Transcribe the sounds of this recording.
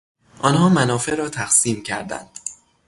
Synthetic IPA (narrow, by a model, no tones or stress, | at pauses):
ʔɒːnɦɒːmænɒːfe̞ʔɾɒːt̪ʰæxsiːmcʰæ̰ɾd̪æ̰nd̪̥